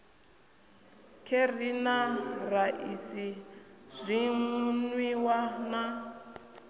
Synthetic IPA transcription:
kʰerinaraʔisizʷimunwiwana

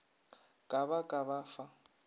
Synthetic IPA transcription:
kʼaβakʼaβafa

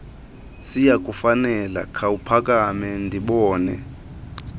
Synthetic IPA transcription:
sijak̬ʼufanɛla̰kʰawupʰak̬ʼamɛndʱiɓɔːnɛ

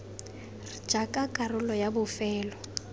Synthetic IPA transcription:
r̥d͡ʒ̥akʼakʼarʊlɔjabʊfɛːlɔ

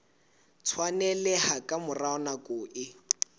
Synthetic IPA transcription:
t͡sʰwanɛlɛhakʼamʊraɔnakʼʊːʔɪ

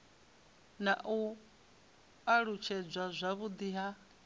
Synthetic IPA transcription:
naʔu | aɺut͡ʃʰɛd͡zʷazʷaβud̪iɦa

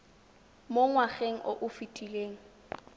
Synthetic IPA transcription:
moŋwaχeŋ̩ʔo̰ʔʊfitʼileːŋ̩

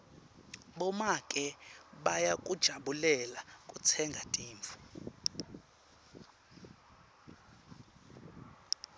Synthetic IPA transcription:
ɓɔmakʼɛɓajakʼud̥ʒ̥ʱaɓulɛlakʼut͡sʰɛŋɡʱatʼiːɱvu̥

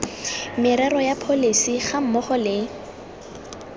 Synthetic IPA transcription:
mɪɾɛrɔjapʰolisiχam̩mɔχɔlɪ

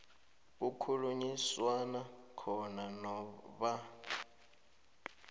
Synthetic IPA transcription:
ukʰuluɲiswanakʰɔnanɔβa

